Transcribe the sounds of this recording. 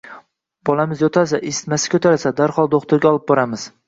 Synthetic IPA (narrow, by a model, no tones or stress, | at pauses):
b̥ɒlˠamɪzjɒt̪ʰasaʔesɪ̥t̪masɪ̥kʲʰɵt̪ʰaɾasad̪aɾhɒlˠd̪oχt̪ʰʊɾɡʲaɒlˠɪp̚bɒɾamɪz̥